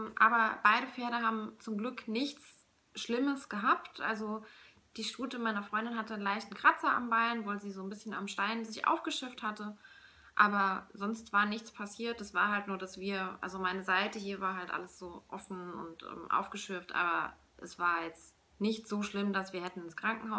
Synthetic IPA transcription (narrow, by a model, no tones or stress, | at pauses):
ʔaːbɐb̥aɪɾəfɛːɐɾəɦaːbm̩t͡sʊmɡlʏknɪçt͡s | ʃlɪməsɡ̥əɦaːptʔa̰lzo | d̥iːʃtuːtəmaɪnɐfʁ̥ɔʏndɪnɦatəənlaɪçtn̩kʁ̥at͡sɐa̰mbaɪnvoːlziːzoːnbɪsçəna̰mʃtaɪnzɪçʔa̰ʊfɡ̥əʃʏɐfthatə | ʔaːbɐzɔnstv̥aːɐnɪçt͡spʰasiːɐt̚d̥asv̥aːɐɦaltnuːɐdasv̥iːɐʔa̰lzomaɪnəzaɪtəɦiːɐvaːɐɦaltʔa̰ləsz̥oːʔɔfn̩ʊ̰ntʔɛ̰ːmʔa̰ʊfɡ̥əʃʏɐftʔa̰ːbɐ | ʔɛsv̥aːɐjɛt͡st | nɪçtz̥oːʃlɪmdasv̥iːɐhɛtn̩ɪnskʁ̥aŋkŋ̩haʊs